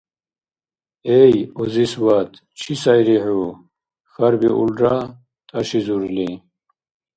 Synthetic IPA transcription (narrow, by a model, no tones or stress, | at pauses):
ejɔziswat̪ʰ | t͡ʃʰisɐjɾiħu | xɐɾbiʔṵla | t̪ʼɐʃizuɾli